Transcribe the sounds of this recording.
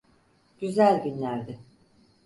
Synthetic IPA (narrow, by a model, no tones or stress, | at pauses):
ɟ̥yzælʲɟynlʲæɾd̪ɪ